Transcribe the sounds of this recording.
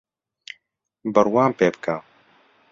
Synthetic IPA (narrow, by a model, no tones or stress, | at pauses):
bəɾwaːmpeːbə̥kʰa